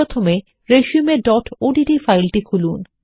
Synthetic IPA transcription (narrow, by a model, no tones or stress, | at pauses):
ot̪ʰome | ɾeʃumeɖɔʈoɖiɖifajlʈikʰulun